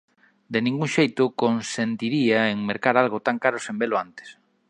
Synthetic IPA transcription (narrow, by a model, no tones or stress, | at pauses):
d̪enĩŋɡuŋʃejt̪ʊkonsent̪iɾiaeŋmeɾkaɾalɣʊt̪aŋkaɾʊsembelʊant̪e̥s